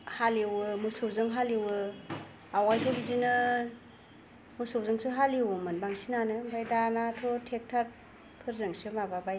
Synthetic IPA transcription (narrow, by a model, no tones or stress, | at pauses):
haliwɯmɯsɯwzɯŋɦaliwɯ | awajtʰɔdidinɯ | mɯsɯwzɯŋsɯɦaliwmɯnbaŋsinanɯbajdanatʰɔtʰek̚tʰat | pʰɯɾzɯŋsɯmababaj